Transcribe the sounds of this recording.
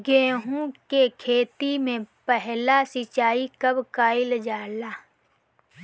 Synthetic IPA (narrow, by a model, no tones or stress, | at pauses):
ɡeːɦũkekʰeːt̪imẽpɛɦlasɪt͡ʃaːikəbkaːɪld͡ʒaːlaː